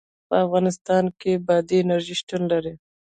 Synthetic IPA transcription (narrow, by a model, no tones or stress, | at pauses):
pəafɣɑnɪst̪ɑnkebɑd̪iːnaɾʒiʃʈunlaɾi